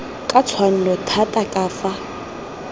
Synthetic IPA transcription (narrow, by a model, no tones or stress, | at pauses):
kʼat͡sʰwan̩lɔtʰatʼakʼaːfa